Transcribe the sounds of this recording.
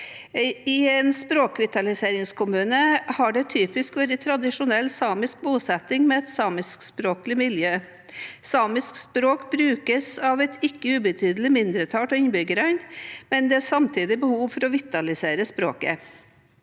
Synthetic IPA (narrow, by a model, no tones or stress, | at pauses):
ɪɛnspɾoːkʋɪt̪ɑlɪseːɾɪŋskʰʊmʉːnəhɑɖɛt̪ʰyːpɪskʋæːɾət̪ʰɾɑd̪ɪʂʊnɛlːsɑːmɪsk̚buːsɛt̪ɪŋmɛɛt̪sɑːmɪskspɾoːklɪmɪljøː | sɑːmɪskspɾoːkbɾʉːkəsɑʋɛt̪ɪkːəʉːbət̪ʰyːd̪əlɪmɪnd̪ɾət̪ʰɑːʈɔɪnbʏɡəɾæɪnmɛnd̪ɛæsɑmt̪ʰiːd̪ɪbəhuːʋfɔɾɔʋɪt̪ɑlɪseːɾəspɾoːkə̰